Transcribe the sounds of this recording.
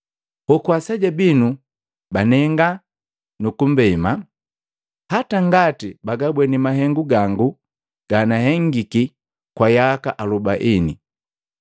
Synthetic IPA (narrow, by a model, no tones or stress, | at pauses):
hɔkuwasaɟabinu | banɛŋɡa | nukum̩bɛma | hataŋɡatibaɡabwɛnimaɦɛŋɡuɡaŋɡu | ɡ̥anaɦɛŋɡiki | kwajaka̰ʔalubaʔini